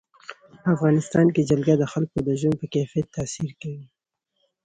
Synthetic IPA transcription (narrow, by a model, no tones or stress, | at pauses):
əafɣɑnɪst̪ɑnked͡ʒalɡad̪əxalkod̪əʒwan̚pəkafiat̪ʰːasiɾkawi